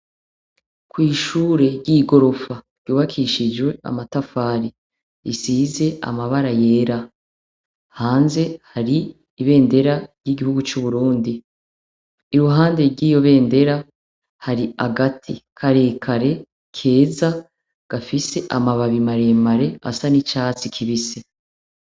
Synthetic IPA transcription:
kwiːʃuːɾe̞ɾɟiːɡo̞ɾo̞faɾ̥ɟjuːβakʰiʃid͡ʒwe̞a̰matafaːɾi | isiːze̞a̰maβaɾaje̞ːɾa | haːnze̞haɾiː | βe̞ːnde̞ɾaɾjiɡihuɡut͡ʃuβuɾuːndi | ɾuɦaːnde̞ɾɡiːjo̞βe̞ːnde̞ɾa | haɾiaɡatʰikʰaɾe̞ːkʰaɾe̞ | kʰe̞ːza | ɡ̥afise̞ʔamaβaβimaɾe̞maɾe̞a̰sanit͡ʃaːt͡sikʰiβise

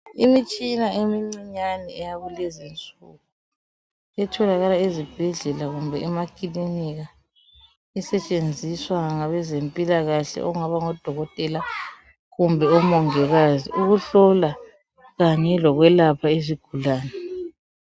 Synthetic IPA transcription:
imit͡ʃʼinaemiŋ͡ǀiɲanɛɛjaɣulezint͡sʼṵɣu | ɛtʰɔlaɣalaezib̥ʱɛɮɛlaɣumbʱɛɛmakʼiliniɣa | ɛsɛt͡ʃʼend͡zʱiswaŋaβɛzempʼilaɣaɬɛ̰ʔɔ̰uŋaβaŋɔd̥ʱɔɣɔtʼɛla | ɣumbʱɛɔmɔŋɛɣaziuɣuɬɔla | ɣaɲɛlɔɣwɛlapʰaeziɡ̥ʱulaːnɛ

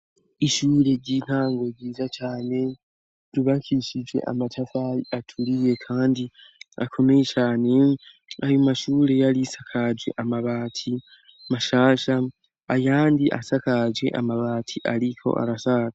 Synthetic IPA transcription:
iʃuːɾe̞ɟin̥haːŋɡo̞ɟiːzat͡ʃaːne̞ | ɾuβakʰiʃid͡ʒwe̞̰ʔa̰matʰafaiatʰuɾije̞kʰaːndi | a̰kʰo̞me̞jet͡ʃaːne̞ | ajomaʃuːɾe̞jaɾisakʰad͡ʒwe̞̰ʔamaβaːtʰi | maʃaːʃaː | jaːndiʔa̰sakad͡ʒwe̞̰ʔamaβaːtʰiʔaɾikʰo̞̰ʔa̰ɾasaza

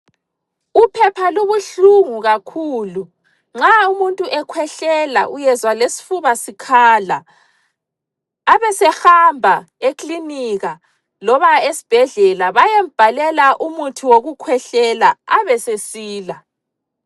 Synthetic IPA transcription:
upʰɛpʰaluβuɬuŋuɣakʰuːlu | ŋ͡ǁaumuntʼuʔɛkʰwɛɬɛla̰ʔujɛzwalesi̥fuβasikʰala | βɛsɛhambʱa | ekliniɣa | lɔβaesi̥b̥ʱɛɮɛlaβajem̩b̥ʱalɛlaʔumutʰuwoɣukʰwɛɬɛlaaβɛsesiːla

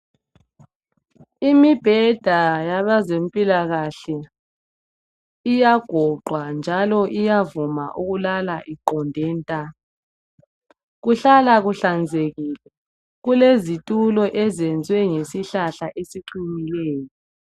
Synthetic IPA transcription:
imib̥ʱɛd̥ʱajaβazempʼilaɣaɬɛ | ijaɡ̥ʱɔǃʱwand͡ʒʱalɔʔijavuma̰ʔuɣulalaʔiǃɔndʱɛːntʼa | ɣuɬalaɣuɬand͡zʱeɣiːlɛ | ɣulezitʼulɔʔɛzɛnd͡zʱwɛŋesiɬaɬaʔesiǃimilɛːjɔ

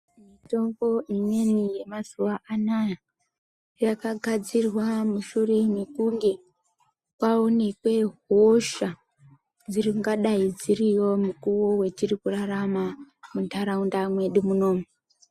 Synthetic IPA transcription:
mito̞mɡo̞ʔime̞nije̞mazuwaʔanaja | jakaɡʱad͡zirwamuʃure̞mikuŋɡe̞ | kwaonekwe̞ɦoʃa | d͡ziriŋɡaɗaid͡ziriwo̞mukuwo̞we̞t͡ʃirikuraramamuntaɾaundamwe̞ɗimuno̞ːme

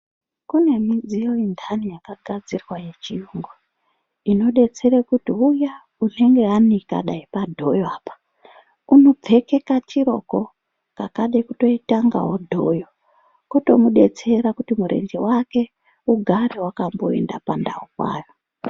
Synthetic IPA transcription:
kune̞mid͡zijo̞indʰʱanijakaɡʱad͡zirwaje̞t͡ʃiuŋɡo | ino̞ɗe̞t͡se̞ɾekutiuja | une̞ŋɡe̞anika̰ɗaipadʱo̞joaːpḁ | uno̞b͡vʱe̞ke̞kat͡ʃiɾo̞̰ko | kakaɗakuto̞itaŋɡa̰ɦo̞dʱo̞jo | koto̞muɗe̞t͡se̞ɾakutimuɾʔe̞̰nd͡ʒewake̞ | uɡʱaɾewakambo̞̰e̞̰nda̰panda̰ukwa̰ːjo

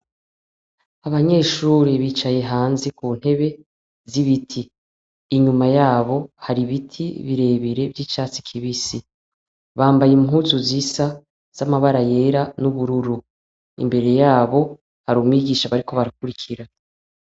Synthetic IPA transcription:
aβaɲe̞ːʃuːɾiβiːt͡ʃaje̞ɦaːnzekuːn̥he̞βe̞ | ziβitʰiː | ɲumajaːβo̞haɾiβitʰḭβiɾe̞ːβiɾe̞vjiːt͡ʃaːt͡si̥kʰiβisi | βaːmbajimŋuːzuzisa | z̥amaβaɾaje̞ːɾanuβuɾuɾu | ḭmbe̞ɾe̞jaːβo̞ | haɾumwiːɡiːʃaβaɾiko̞βaɾakuɾikʰiɾa

